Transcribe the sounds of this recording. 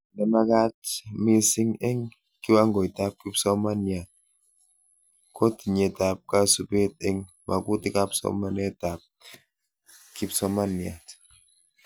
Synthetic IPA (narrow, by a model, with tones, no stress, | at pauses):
nɛ˨ma˦ka˦t̚mi˦si˦ŋe˦ŋ | ki˦wa˦ŋɡɔ˨i˨ta˦p̚ki˦psɔ˦ma˦nja˨t̚ | kɔ˦ti˨ɲe˨ta˨p̚ka˦su˦pe˦te˦ŋ | mʔa̰˨ku˦ti˦ka˦psɔ̰˦ma˦nɛ˦˨ta˨p̚ | ki˦psɔ˦ma˦nja̰˨t